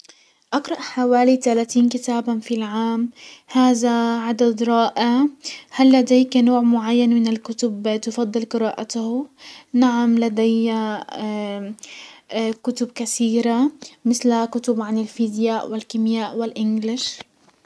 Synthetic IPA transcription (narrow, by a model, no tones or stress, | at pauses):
ʔɑqɾˤɑʔħawaːlit̪alaːt̪iːnkɪt̪aːbanfilʕaːmhaːðaʕad̪ad̪ɾˤɑːʔahalːad̪eːknoːʕmʊʕajːanmɪnɪlkʊt̪ʊbt̪ɪfɑd̪ˤːɨlqɨɾaːʔat̪ahnaʕamlad̪ajːa | kʊt̪ʊb̚kaθiːɾamɪθlakʊt̪ʊbʕanɪlfid̪jaːʔwɪlkɪmjaːʔwɪlʔɪnɡlɪʃ